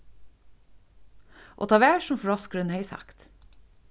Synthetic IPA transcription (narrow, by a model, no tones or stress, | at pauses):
ʔo̰ːt̪ʰɑːʋæːʃɔmfɹɔskɾʉnheɪsɑ̰kt̪